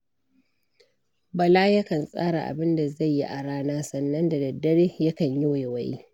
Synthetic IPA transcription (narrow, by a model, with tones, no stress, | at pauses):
bɐ˨laː˦jɐ˦kɐ˨nsʼa̰ː˦ɽa̰˨ʔa̰˨bɪ˦nda˨za˦˨jːi˦ʔa˨ɽaː˦naː˦sɐ˨nːɐ˦nda˨dɐ˨dːɐ˦ɽeː˦jɐ˦kɐ˨ɲjo˦je˨wɐ˨jḭ˦